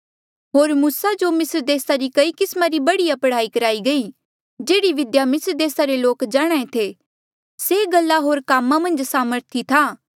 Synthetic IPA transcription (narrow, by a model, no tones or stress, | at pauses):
ɦoːɾmuːsad͡ʒomɪsɾd̪eːsaɾikɐikɪsmaɾibɐɽiɐpɽaːikɐɾaːiɡɐi | d͡ʒeːɽiʋɪd̪jamɪsɾd̪eːsaɾeloːkd͡ʒaːɽ̃aːẽt̪ʰe | seːɡɐlːaɦoːɾkaːmːamɐ̃nd͡ʒsaːməɾt̪ʰit̪ʰaː